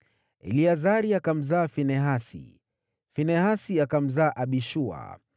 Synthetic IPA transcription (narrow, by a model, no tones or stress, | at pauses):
ɛ̰liazaɾiakam̩zaːfinɛɦasḭ | finɛɦasiakam̩zaːʔaɓiʃua̰